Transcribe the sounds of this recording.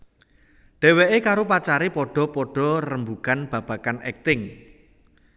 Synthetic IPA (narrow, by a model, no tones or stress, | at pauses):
ɖ̥ɛ̤weʔekaɾopat͡ʃaɾepɔɖ̥ɔ̤pɔɖ̥ɔ̤rəmbukanb̥a̤b̥a̤kanɛk̚t̪ɪŋ